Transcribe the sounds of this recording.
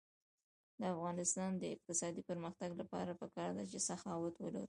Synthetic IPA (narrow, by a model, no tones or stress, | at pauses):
d̪əafɣɑnɪst̪ɑnd̪əɪq̚t̪ɪsɑd̪ipəɾməxt̪aɡlapɑ̰ɾapəkɑɾd̪at͡ʃesaxɑwat̪wəla̰ɾi